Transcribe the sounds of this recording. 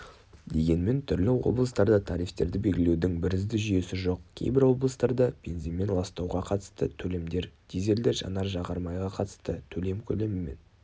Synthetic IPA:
d̪e̞ɡʲe̞nme̞nt̪ʰʏɾlɪwo̞̰blˠəst̪ɑɾd̪ɑt̪ʰɑɾijft̪e̞̰ɾd̪ɪbe̞lɡʲɪle̞wd̪ɪŋbɪɾɪzd̪ɪʒʏje̞sɪʒo̞qkʲʰḛjbɪɾwo̞blˠəst̪ɑɾd̪ɑb̥e̞̰nzinme̞nlˠɑst̪ɑwʁɑqʰɑt̪ə̥st̪ət̪ʰɵle̞md̪e̞ɾd̪̥ʰeze̞ld̪ɪʒɑ̰nɑɾʒɑʁɑɾmɑjʁɑqʰɑt̪əst̪ət̪ʰɵle̞mkʲʰɵle̞mɪme̞n

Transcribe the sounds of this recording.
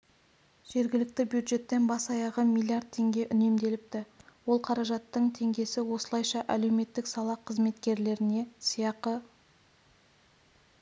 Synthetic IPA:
ʒ̥e̞ɾɡʲɪlɪk̚t̪ɪbjud̪ʒe̞t̪ːe̞nbɑsɑjɑʁəmilʲːiard̪̚t̪ʰːe̞ŋɡʲe̞ʔʏne̞md̪e̞lɪp̚t̪ɪwo̞lˠqʰɑɾɑʒɑt̪ːəɴt̪ʰe̞ŋɡʲe̞sɪwo̞səlˠɑjʃɑʔæle̞wme̞t̪ːɪksɑlˠɑqʰəzme̞t̪kʲe̞ɾle̞ɾɪne̞sijɑqə

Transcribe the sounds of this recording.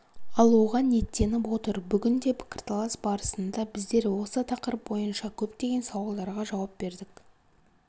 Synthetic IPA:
ɑlˠwo̞ʁɑnːe̞t̪ːe̞nɪpo̞t̪əɾbʏɡʲɪnd̪e̞pʰɪ̥kʲɪ̥rt̪lˠɑsbɑɾəsənd̪ɑbɪzd̪e̞ɾwo̞sət̪ʰɑqəɾəp̚bo̞jənʃɑkʲʰɵpt̪e̞ɡʲe̞nsɑwɑlˠd̪ɑɾʁɑʒɑwɑp̚b̥e̞ɾd̪ɪk

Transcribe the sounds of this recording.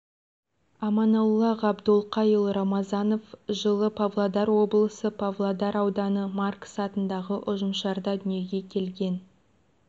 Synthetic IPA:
ɑmɑnɑwlˠːɑʁɑbd̪ʊlˠqʰɑjəlˠɾɑmɑzɑno̞fʒəlˠəpʰavlˠod̪ɑɾwo̞blˠəsəpʰavlˠod̪ɑɾɑwd̪ɑnəmarksɑt̪ənd̪ɑʁəʔʊʒəmʃɑɾd̪ɑd̪ʏnije̞ɡʲe̞kʲʰe̞lɡʲe̞n

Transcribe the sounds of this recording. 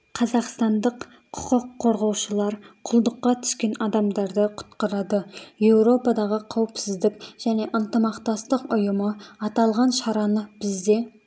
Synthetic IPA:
qʰɑzɑqst̪ɑnd̪əqʰ | ʊ̥qʊqʰːoɾʁɑwʃəlˠɑɾqʰʊlˠd̪əqːɑt̪ʰʏ̥ʃkʲe̞nɑd̪ɑmd̪ɑɾd̪əqʰʊ̥t̪qɑɾɑd̪əje̞wɾo̞pɑd̪ɑʁəqʰɑwəpsɪzd̪ɪkʲʒ̥æne̞ʔənt̪əmɑqt̪ɑst̪əqʊjʊməɑt̪ɑlˠʁɑnʃɑɾɑnəb̥ɪzd̪e̞

